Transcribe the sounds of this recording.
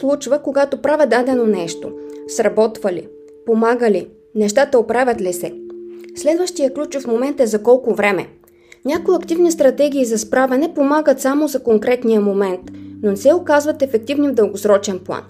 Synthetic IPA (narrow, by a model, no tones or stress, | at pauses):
slˠut͡ʃvəkoɡat̪opɾavʲɛd̪ad̪ɛnonɛʃt̪o̰sɾɐbɔt̪vɐlḭ | pomaɡəli | nɛʃt̪at̪əopɾavʲɐt̪lisɛslɛd̪vəʃt̪ijəklʲut͡ʃʊfmomɛnt̪ɛzɐkɔlˠkʊvɾɛmɛ̰ | nʲakojiɐkt̪ivnist̪ɾɐt̪ɛɡʲiːzɐspɾavɛnɛpomaɡət̪samozɐkoŋkɾɛt̪nijəmomɛnt̪nonɛsɛokazvɐt̪ɛfɛk̚t̪ivnivd̪ɤlˠɡosɾɔt͡ʃɛnplˠa̰n